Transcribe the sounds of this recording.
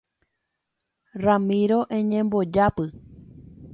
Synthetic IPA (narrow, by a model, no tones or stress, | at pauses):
ramĩɾoʔẽɲẽmbod͡ʒapɨ